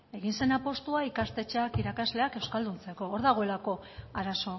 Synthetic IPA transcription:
e̞ɣ̞inse̞napo̞st̪uaikast̪e̞t͡ʃeakiɾakazle̞ake̞wskald̪unt͡se̞ko̞ːɾðaɣ̞o̞e̞lako̞ | aɾaso̞

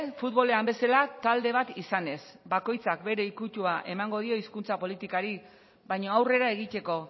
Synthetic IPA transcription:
fut̪βo̞le̞ambe̞salat̪ald̪e̞β̞at̪isane̞s | bako̞jt͡sak̚be̞ɾe̞ikut̪uaʔe̞maŋɡo̞ð̞io̞iskunt͡sapo̞lit̪ikaɾi | βajɲo̞awre̞ɾae̞ɣ̞it̪e̞ko̞

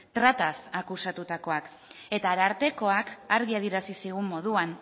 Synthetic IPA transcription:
t̪ɾat̪asakusat̪ut̪ako̞ak | e̞t̪aɾaɾt̪e̞ko̞akaɾɣiaðiɾasisiɣ̞ummːo̞ð̞uan

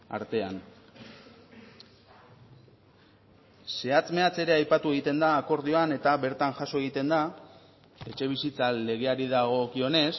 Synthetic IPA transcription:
a̰ɾt̪e̞an | se̞at͡sme̞at͡se̞ɾe̞ajpat̪ue̞ɣ̞it̪e̞nd̪aːko̞ɾð̞ioane̞t̪aβe̞ɾt̪anʝaso̞e̞ɣ̞it̪e̞nd̪a | e̞t͡ʃe̞β̞isit͡sale̞ɣ̞e̞aɾiðaɣ̞o̞kio̞ne̞s

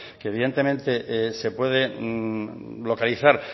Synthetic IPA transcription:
keːβiðe̞nt̪emẽ̞nt̪e̞ʔsepwe̞ðe̞ | lo̞kaliθaɾ

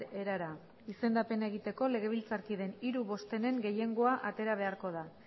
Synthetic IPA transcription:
ɾeɾaɾa | ise̞nd̪ape̞naeɣ̞it̪e̞ko̞le̞ɣ̞e̞β̞ilt͡saɾkiðe̞niɾuβo̞st̪e̞ne̞ŋɡe̞je̞ŋɡo̞aʔat̪e̞ɾaβ̞e̞aɾko̞ð̞a

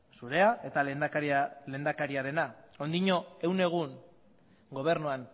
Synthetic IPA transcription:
suɾe̞ae̞t̪a | le̞ːnd̪akaɾiaɾe̞nao̞nd̪iɲo̞e̞wne̞ɣ̞un | ɡo̞β̞e̞ɾnuan

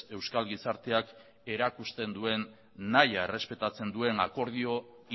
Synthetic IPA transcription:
e̞wskalɣisaɾt̪e̞ak | e̞ɾakust̪e̞nd̪ue̞nː | ajaere̞spe̞t̪at͡se̞nd̪ue̞nako̞ɾð̞io̞

